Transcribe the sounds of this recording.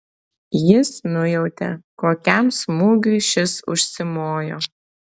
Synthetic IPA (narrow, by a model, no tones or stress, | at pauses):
jɪsnʊjɛʊt̪ʲɛ̰koːkʲæmsmuːɡɾʲiʃʲɪsʊ̰ʃʲsʲɪmoːjoː